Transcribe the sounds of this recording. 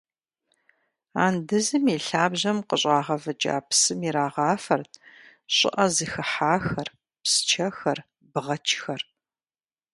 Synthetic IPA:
a̰ːndɨzɨmiːɬaːbʑɐmqəɕʼaːʁɐvɐd͡ʒʼa̰ːpsɨmiɾaːʁɑːfɐrtʰ | ɕʼɪ̰ʔɐzɨxɨħaːxɐr | psɨ̥t͡ʃʰɐxɐr | bɨʁɐt͡ʃʰxɐr

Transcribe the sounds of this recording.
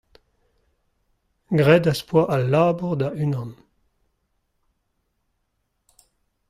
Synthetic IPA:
ɡʁɛdaspwaʔalaːbuʁd̪aʔynɑ̃n

